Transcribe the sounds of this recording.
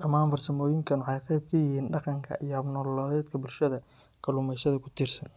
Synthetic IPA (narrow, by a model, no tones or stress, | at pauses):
ɗɐmaːmbɐrsɐmɔːjɪŋkʰɐnwɑħɑjqɛjb̚kʰɐjɪɦiːnɖɑqɑŋkʰɐ̰ʔijɔɐbnɔlɔːðɛːd̪kʰɐbʊlʃɐðɐ | kʰɐlʊːmɛʃɐðɐkʰʊ̥t̪ʰirsɐn